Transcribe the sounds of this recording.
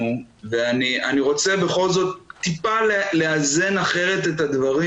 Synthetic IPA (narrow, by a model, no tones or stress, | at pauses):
uveanianiʁo̞t͡se̞be̞χo̞lzo̞t̪̚ːipaleleaze̞naχe̞ʁe̞t̪e̞tad̪vaʁi